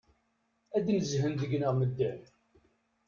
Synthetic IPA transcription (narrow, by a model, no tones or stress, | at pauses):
æd̪nəzɦənðəɡnəʁməd̪ːæn